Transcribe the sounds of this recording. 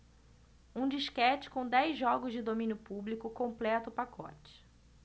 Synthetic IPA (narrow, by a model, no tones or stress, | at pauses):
ũd͡ʒiʃkɛt͡ʃɪ̥kõw̃d̪ɛjzʒɔɡʊzd͡ʒɪd̪omĩnjʊpublikʊkõmplɛt̪ʊʊpakʰɔ̰t͡ʃɪ̥